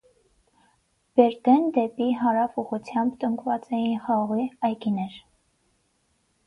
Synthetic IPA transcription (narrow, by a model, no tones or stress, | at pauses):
b̥ɛɾd̪ɛnd̪ɛpiɦɑɾɑfuʁut͡sʰjɑmbt̪əŋkvɑt͡sɛjinχɑʁʁiɑjkinɛɾ